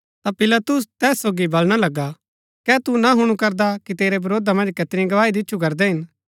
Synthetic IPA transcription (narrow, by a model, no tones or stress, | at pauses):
t̪apɪlɐt̪ʊs̬t̪ɛːsːoːɡibɐlɽ̃alɐɡːa | kɛːt̪unaɦʊɽ̃ũkɐɾd̪akit̪eːɾebɐɾoːd̪amɐ̃nd͡ʒkɐt̪ɪɾĩɡɐʋaːid̪ɪtːʃʰukɐɾd̪ɛɦɪn